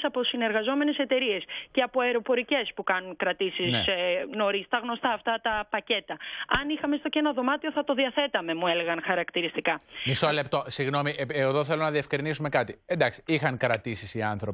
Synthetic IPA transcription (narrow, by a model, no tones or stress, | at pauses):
sɐpo̞sineɾɣɐzo̞me̞ne̞se̞t̪e̞ɾie̞sce̞ɐpoɐeɾo̞po̞ɾice̞spukɐnunkɾɐt̪isisno̞ɾist̪ɐɣno̞st̪ɐːft̪ɐt̪ɐpɐce̞t̪ɐɐnixɐme̞st̪ocenoðo̞mɐt̪io̞θɐt̪o̞ðiɐθe̞t̪ɐme̞muele̞ɣɐnxɐɾɐkt̪iɾist̪ikɐmisole̞p̚t̪o̞siɣno̞miʔeeðoθe̞lonɐðie̞fkɾinisume̞kɐt̪iend̪ɐksi̥ixɐŋkɾɐt̪isisiɐnθɾo̞p